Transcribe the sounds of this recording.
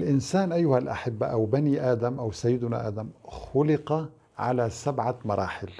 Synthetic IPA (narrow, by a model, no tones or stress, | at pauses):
lʔɪnsaːnʔajːʊhalʔa̰ħɪbːa̰ʔæwbaniːʔaːd̪æmʔawsajːɪd̪ʊna̰ʔa̰ːd̪æmxʊlɪqɑ | ʕa̰lasabʕamɑɾˤɑ̰ːħɪl